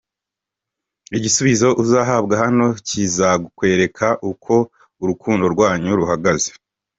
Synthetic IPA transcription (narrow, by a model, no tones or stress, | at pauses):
iɟisuβizo̞ʔuzaːɦabɡaɦano̞cizakwe̞ːɾe̞kʰaʔukʰo̞ | uɾukʰuːndo̞ɾɡwaːɲuɾuɦaɡaze